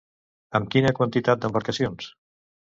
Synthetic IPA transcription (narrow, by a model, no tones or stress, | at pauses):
əmkinəkwənt̪it̪at̪̚d̪əmbəɾkəsions